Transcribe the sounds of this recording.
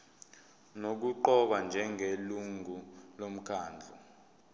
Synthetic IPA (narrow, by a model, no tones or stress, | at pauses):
nok̬uǃɔɓand͡ʒʱɛŋʱeluŋʱulom̩kʰaːnd͡ɮʱu